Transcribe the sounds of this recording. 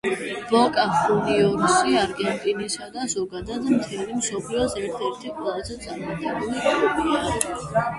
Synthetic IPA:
b̥ɔkʼaχuliɔɾsiaɾɡɛnt̪ʼinisad̪azɔɡad̪ad̪mt̪ʰɛlimsɔpʰliɔsɛɾt̪ʰɛɾt̪ʰiqʼwɛlˠazɛt̪sʼaɾmaɡɛbulikʼubiaɾ

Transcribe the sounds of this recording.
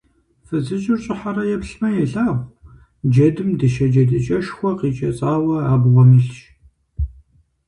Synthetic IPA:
fɨzɨʒɪrɕʼɪħarɐjɛpɬmɐjɛɬaːʁʷ | d͡ʒɐdɨmdɨʃɐd͡ʒɐdɨt͡ʃʼɐʃxʷɔqiːt͡ʃʼɐ̰t͡sʼaːwɐaːbʁʷɔmɨɬʃ

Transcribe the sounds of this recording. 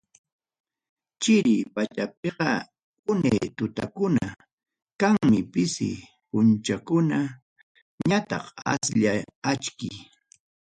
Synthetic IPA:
t͡ʃɪɾɪpat͡ʃap̚eɢɑ | ʊnejːt̪ʊt̪akʊna | kaŋmɪpɪsɪ̰ | pʊnt͡ʃakʊna | ɲat̪ɑ̰qa̰sʎaat͡ʃkɪj

